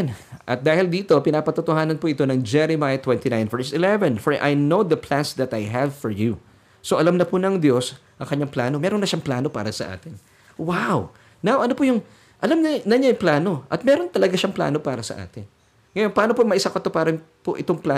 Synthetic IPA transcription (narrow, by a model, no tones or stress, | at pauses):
nʔɐt̪̚d̪aːhɪld̪iːt̪o̞pɪnaːpɐt̪ʊt̪ohaːnɐnpʊʔɪt̪o̞nɐŋd͡ʒɛɾɛmaːjɐt̪wɛnt̪inãj̃nvɛɹsɪlɛvɛnfɔɹʔa̰jnowd̪ɐplansd̪ɐt̪ajɦɛvfɔɹju | soʔɐlamnɐpʊnɐŋd̪jo̞sʔɐŋkɐɲːaŋplaːno̞mɛːɾonːɐʃaŋplaːno̞pa̰ːɾɐsɐʔa̰ːt̪ɪn | waw | nawʔɐnopʊjʊŋ | ʔɐlamnɐnɐɲajʊplaːno̞ʔɐt̪̚mɛːɾo̞nt̪ɐlɐɡaʃɐŋpla̰ːno̞paːɾɐsɐ̰ʔa̰ːt̪ɪn | ŋɐjo̞npaːnopomɐʔɪsakɐt̪opaːɾɐpoʔɪt̪oŋpla